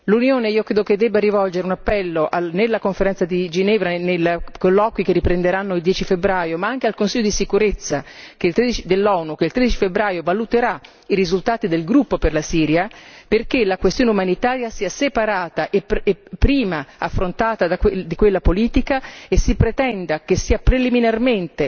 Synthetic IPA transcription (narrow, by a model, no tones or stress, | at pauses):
lunjoːneiːokɾeːd̪oked̪ːɛːbːaɾivɔld͡ʒeɾeunapːɛlːoʔanelːakoɱfeɾɛnt̪sad̪id͡ʒinɛːvɾanelkolːɔːkwik̟erːipɾend̪eɾanːoild̪jɛːt͡ʃifebɾaːjomaaŋk̟ealkonsiʎːod̪isikuɾet̪sːak̟eilt̪ɾed̪it͡ʃid̪elːɔːnukelt̪ɾed̪it͡ʃifebɾaːjovalut̪eɾa | iɾizult̪aːt̪id̪elɡɾupːoperlasiːɾjaperk̟elakwest̪joːneumanit̪aːɾjasiːasepaɾaːt̪aʔeepːɾiːmaafːɾont̪aːt̪ad̪akwed̪ikwelːapoliːt̪ikaesːipɾet̪ɛnd̪akesːiːapɾeliminarment̪e